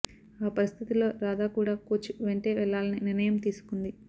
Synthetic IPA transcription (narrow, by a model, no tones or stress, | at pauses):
aːpɐɾist̪ʰit̪ilo̞ːɾaːd̪aːkuːɽaːkoːt͡ʃːuʋeɳʈe̞ːʋɛɭːaːlɐniniɾnɐjɐmt̪iːsu̥kund̪i